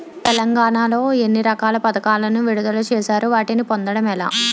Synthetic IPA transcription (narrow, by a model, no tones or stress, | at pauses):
t̪ɛlɐŋɡaːɳaːlo̞ːe̞nːiɾɐkaːlɐpɐd̪ɐkaːlɐnuʋiɽud̪ɐlut͡ʃɛːʃaːɾuʋaːʈinipond̪ɐɽɐmɛla̰ː